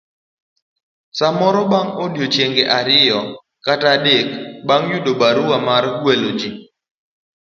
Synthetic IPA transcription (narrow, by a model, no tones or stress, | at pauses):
samɔɾɔbaŋodjot͡ʃjeŋɡeʔaɾɪjɔ | katadekbaŋjudobaɾuwamaɾɡwelod͡ʒi